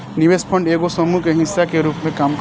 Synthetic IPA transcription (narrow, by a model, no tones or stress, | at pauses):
niʋespʰə̃ɳɖeːɡosəmukeɦĩnsːakeɾuːpmẽkaːmk